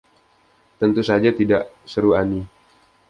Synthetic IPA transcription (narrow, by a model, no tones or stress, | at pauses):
t̪ənt̪usad͡ʒat̪idaʔ | səɾuani